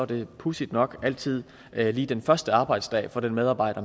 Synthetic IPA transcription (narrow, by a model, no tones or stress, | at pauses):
ɒd̥e̝pʰusid̥nɒ̽ɡ̥ʔæl̰t͡sʰið̞̰ˠ | liːd̥enfɶɐsd̥əɑ̈ːb̥ɑ̈ɪ̰d̥sd̥ɛ̰ːfɒ̽d̥enmeð̞ˠɑ̈ːb̥ɑ̈ɪ̰ɾ̥ɐ